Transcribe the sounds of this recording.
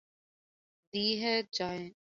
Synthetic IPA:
d̪iːɦɛːt͡ʃaːẽː

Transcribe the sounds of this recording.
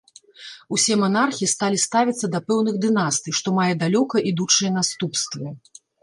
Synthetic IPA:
usʲɛmɐnarxʲist̪alʲist̪avʲit̪sːɐd̪ɐpɛwnɨɣd̪ɨnast̪ɨʂt̪ɔmajɛd̪alʲɔkɐʔid̪ut͡ʂɨjɐn̪ast̪upst̪vɨ

